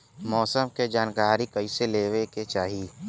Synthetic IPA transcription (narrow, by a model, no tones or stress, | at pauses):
mɔːsəmked͡ʒaːnkaːɾikɐiseleːʋeket͡ʃaːɦiː